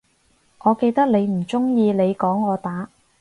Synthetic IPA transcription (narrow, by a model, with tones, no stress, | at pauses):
ʔɔː˨˧ke˧jt̪ɐ˥k̚ne˨˧jm̩˨˩t͡sʊ˥ŋjiː˧le˨˧jkɔː˨˥ŋːɔː˨˧t̪aː˨˥